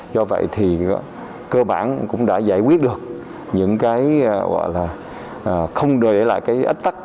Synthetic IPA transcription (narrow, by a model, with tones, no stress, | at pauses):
zɔ˧və̰˧˨jt̪ʰi˨˩ | kəː˧ɓaː˧˩nkʊ̰˧˥ŋ͡mɗa̰ː˧˥zaː˧˩jkwi˦˥ət̚ɗɨ˨˩ək̚ | ɲɨ̰˧˥ŋkaː˨˦jɣɔ̰˧˨laː˨˩ | ʔːxə˧wŋ͡mɗɨ˨˩ɗe˧˩la̰ː˧˨jkaː˨˦jʔi˦˥t̚t̪a˦˥k̚